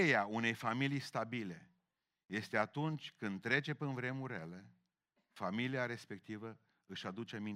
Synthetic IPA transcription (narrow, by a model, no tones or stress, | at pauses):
ejaune̞jfamilijst̪abile̞ | je̞st̪e̞at̪unt͡ʃʲkɨnd̪̚t̪ːɾe̞t͡ʃe̞pinvɾe̞muɾele | familiaɾe̞spe̞k̚t̪ivə | ɨʃad̪ut͡ʃemi